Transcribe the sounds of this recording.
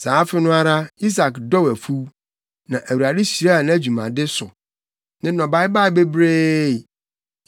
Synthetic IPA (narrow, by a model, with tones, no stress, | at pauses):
saː˨˦fɪ˦nʊ̃˦a˦ɾa˦i˦s̬a˨kdɔ˦wæ˨fu˦ | nã˨ʔæ˨wu˨ɾa˨dɪ˦ɕi˨ɾa˦a˨ñ˦æ˦˨d͡ʑᶣu˨mã̰˨dɪ˦sʊ˨ | nɪ̃˦nɔ̃˨ba˦ɪ˦ba˦ɪ˨be˦bɾeː˦˨